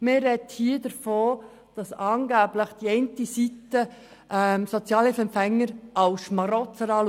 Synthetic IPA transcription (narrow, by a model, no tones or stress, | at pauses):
mɪɾɛthiədəɾfoː | d̥ɑsɑːnɡæːbləχd̥iɛntisit̪ə | ʔɛmsɔt͡sjɑːlhɪfɛmpfɛŋːəɾʔɑwsʃmɑɾɔtt͡səɾɑːl